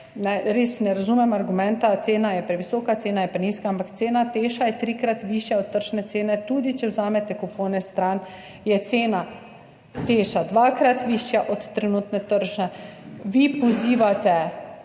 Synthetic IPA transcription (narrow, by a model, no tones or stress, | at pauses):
najɾeːsnɛɾazumɛmaɾɡumɛ̃nt̪at̪seːnajɛpɾɛʋisɔːkat̪seːnajɛpɾɛninskaampakt̪seːnat̪eːʃajɛt̪ɾikɾat̪ʋiʃjaɔt̪̚t̪ːəɾʒnɛt̪seːnɛt̪uːd̪it͡ʃɛwzaːmɛt̪ɛkupɔwnɛst̪ɾan | jɛt̪seːna | t̪eːʃad̪ʋaːkɾat̪ʋiːʃjaʔɔt̪ːɾɛnuːt̪nɛt̪əɾʒnɛʋipɔziːʋat̪ɛ